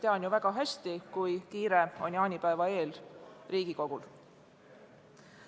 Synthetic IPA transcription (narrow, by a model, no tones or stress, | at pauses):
t̪eɑnjuvæɡ̥ɑɦæsʲt̪ikujkiːɾeo̞nʲjɑːnʲipæevɑe̞ːlriːɡ̥iko̞ɡ̥ul